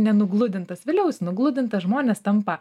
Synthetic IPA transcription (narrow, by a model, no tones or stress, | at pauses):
nʲɛnʊɡlˠʊd̪ʲɪnt̪ɐsʋʲɪlʲɛʊsʲnʊɡlˠʊd̪ʲɪnt̪ɐsʒmoːnʲeːst̪ɐmppɐ